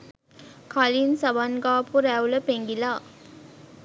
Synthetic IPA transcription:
kʰalinsɐbanɡaːpuɾæwləpeŋɡilaː

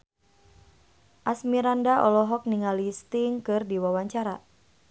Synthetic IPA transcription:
ʔasmiɾandaʔɔlɔɦɔk̚niŋalist̪iŋkɨrdiwawaɲt͡ʃaɾa

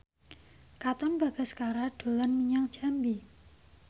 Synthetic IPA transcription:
kat̪ɔnba̤ɡ̥a̤sə̥kaɾaɖ̥o̤lanmiɲaŋd̥ʒ̥a̤mbi

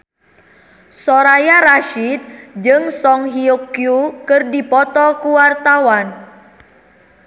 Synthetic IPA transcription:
sɔɾajaɾaʃit̪̚d͡ʒɨŋsɔŋɦiukiukərdipɔt̪ɔkuwart̪awan

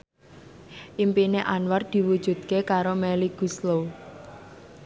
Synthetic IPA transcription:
ʔimpineʔanward̪̥i̤wud̥ʒ̥ṳd̪̚kekaɾomɛliɡ̥uslow

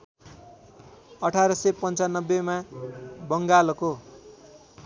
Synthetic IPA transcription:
ʌʈʰaɾʌsepʌnt͡sanʌbːemabʌŋɡalʌko

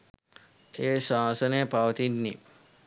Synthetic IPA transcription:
eʃãːsənepawt̪inni

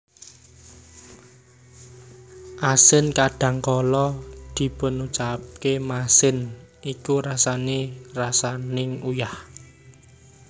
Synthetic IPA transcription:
ʔasɪnkaɖ̥ä̤ŋkɔlɔd̪̥i̤pənut͡ʃap̚kemasɪnʔikuɾasanerasanɪŋujah

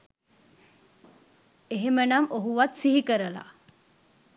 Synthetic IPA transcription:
eɦemənamoɦuʋat̪siɦikəɾəla̰

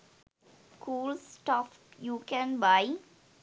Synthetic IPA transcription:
kuːlsʈɔf | juːkɛ̃nbaɪ

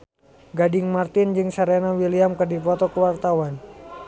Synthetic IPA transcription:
ɡadɪŋmart̪ɪnd͡ʒɨŋsaɾenawiliamkɨrdipɔt̪ɔkəwart̪awan

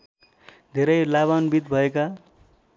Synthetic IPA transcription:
d̪ʱeɾʌjlaβanbid̪bʱʌeka

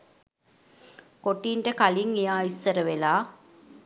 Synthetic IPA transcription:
koʈiːɳʈəkaliŋejaːisːəɾəʋelaː

